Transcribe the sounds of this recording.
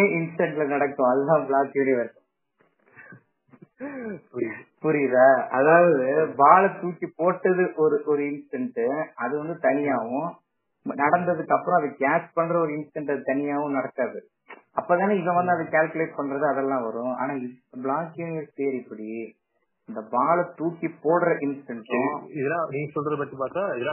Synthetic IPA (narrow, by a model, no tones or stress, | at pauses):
eɪnsʈɛɳʈlɐnɐɽɐkːʊ̃ɐðɐlãːbɭaːkjuːnɪʋɐɾs | ppʊɾɪjðaːɐðaːʋɐðɯbaːɭɐt̪uːt͡ʃːipoːʈːɐðɯʔɔɾɯʔɔɾɯɪnsɪʈɐɳʈɯɐðɯʋɐnd̪ɯt̪ɐnɪjaːʋʊ̃ | nɐɽɐnd̪ɐðɯkːɐpːɯɾʊ̃ɐðɯkaːspɐɳːɾɐɔɾɯɪnsʈɛɳʈɐðɯt̪ɐnɪjaːʋʊ̃nɐɽɐkːaːðɯ | ɐpːoːðaːneɪʋɐ̃ʋɐnd̪ɯɐðɐkaːlkleːʈ̚pɐɳɾɐðɯɐðɛlːãːʋɐɾʊ̃ʔa̰ːnaːɪblaːkːjunɪjɐɾsseːɾɪpːɐɽi | ɪnd̪ɐbaːɭɐt̪uːkːipoːɽɾɐʔɪnsʈɛɳʈːʊ̃ɪðɐlãniːŋɡɐsɔlɐðɯp̬ɐʈ̪ːipaːɾt̪ãːɪðɐlãː